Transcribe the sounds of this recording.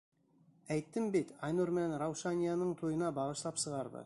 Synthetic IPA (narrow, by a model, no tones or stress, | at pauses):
æjt̪ːɪmbet̪ɑjnuɾmenɾɑwʃɑnʲijanəɴt̪ʰojənɑbɑʁəʃlˠɑpsəʁɑɾbə̰